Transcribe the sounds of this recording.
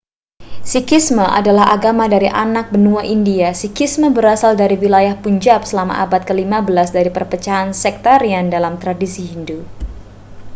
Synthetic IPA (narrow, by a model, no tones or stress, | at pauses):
sikisməʔa̰dalaɦa̰ɡamadaɾiʔanak̚bənuaʔindiasikisməbəɾasaldaɾiwilajahpuɲd͡ʒap̚səlama̰ʔabat̪̚kəlimabəlasdaɾipərpət͡ʃaɦansɛk̚t̪aɾiandalamt̪ɾadisiɦindu